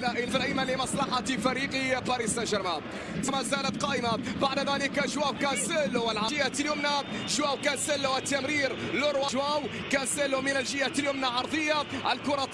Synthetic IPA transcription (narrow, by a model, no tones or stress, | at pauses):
læʔilfɾimalɪmɑsˤlɑħɑt̪fæɾiːqibɑɾisænʒəɾma | t̪mæzæːlət̪̚qɑːʔɪmabaʕd̪ðælɪkaʒwæwkænsəlʊwəlʕɑɪjat̪ljʊmna | ʒwæːwkænsəlːwət̪ːamɾiːɾlʊɾwɑʒwæw | kænsɪlːʊmɪnəlʒɪjat̪ljʊmnaʕɑɾˤd̪ˤəjːaʔəlkʊɾˤɑ